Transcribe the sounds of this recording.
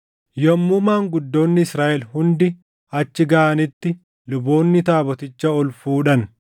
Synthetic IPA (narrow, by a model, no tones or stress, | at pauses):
jɔmːʊmaːŋɡʊd̪ːo̞ːnːɪsɾaːʔɛlhʊnd̪ɪ | ɐt͡ʃːɪɡɐʔɐnɪt̪ːɪ | lʊbo̞ːnːɪt̪aːbɔt̪ɪt͡ʃːɐɔlfuːᶑɐn